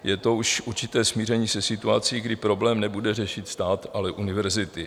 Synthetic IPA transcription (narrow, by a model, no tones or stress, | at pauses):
jɛt̪o̞uʃuɾt͡ʃɪt̪ɛːsmiːr̝ɛɲiːsɛsɪt̪uat͡siːɡdɪpɾo̞blɛːmnɛbudɛrɛʃɪt̪st̪aːt̪alɛʔunɪvɛɾzɪt̪ɪ